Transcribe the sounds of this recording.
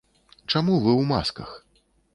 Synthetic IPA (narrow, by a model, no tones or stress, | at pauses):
t͡ʂamuvɨwma̰skɐ̰x